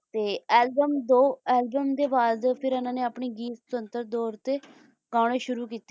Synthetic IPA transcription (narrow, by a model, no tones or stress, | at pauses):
t̪eːɛːlbəmd̪oːɛːlbəmd̪eːʋaːzd̪pʰɪɾənãːneːapɳ̃iːɡiːt̪sənt̪əɾd̪ɔːɾt̪eː | ɡãːɽ̃eːʃʊɾuːkiːt̪e